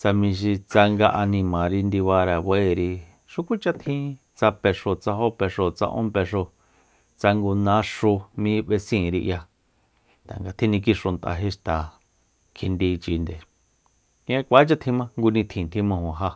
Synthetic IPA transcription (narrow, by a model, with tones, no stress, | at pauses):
t͡sa˧mĩ˧ʃ̬i˧t͡sa˧ŋɡa˧ʔa˧nĩ˧mã˨ɾi˧nd̪i˧βa˧ɾa˨βe˦˧˨ɾi˧ | ʃu˦kʷi˦t͡ʃa˦t̪ʰĩ˦ | t͡sa˧pe˧ʂo˧˨t͡sa˧ɦo˦pe˧ʂo˨t͡sa̰˧ʔõ̰˦pe˧ʂo˧ | t͡sa˧ŋɡu˧nã˦ʂu˧mĩ˧˦βe˧sĩː˦˨ɾi˧ʔja˧˨ | t̪a̰˨ŋɡa˧t̪ʰĩ˦nĩ˧k̬i˦ʂo˧nt̪ʔa̰˧ɦe˦ʂt̪a˨ | kʰi˧nd̪i˧t͡ʃi˧nd̪e˨ | kã˦kʷa˨˦t͡ʃa˦t̪ʰĩ˧mã˦ŋɡu˧nĩ˧t̪ʰĩ˨nt̪ʰĩ˦mã˧hõ˨ɦa˧